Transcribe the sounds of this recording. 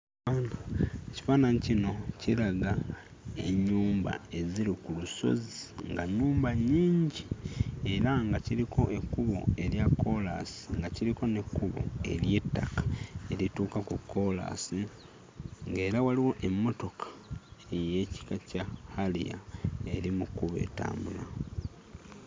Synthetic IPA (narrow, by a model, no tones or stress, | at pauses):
aːnaeci̥faːnanicino̞cilaɡa | e̞̰ɲːuːmba̰e̞ziɾikuluso̞̰ziŋɡaɲːuːmbaɲiːɲɟie̞ɾaŋɡaciɾiko̞ʔe̞kːuβo̞̰e̞ɾjakːo̞la̰si̥ŋɡaciɾiko̞ne̞kːuβo̞̰e̞̰ɾje̞tːakḁe̞ɾituːkakukːo̞la̰si | ŋɡe̞ːɾawaliwo̞ʔe̞mːo̞to̞kʰḁeje̞ci̥kacahalḭa̰e̞ɾimukuβe̞̰ːta̰ːmbula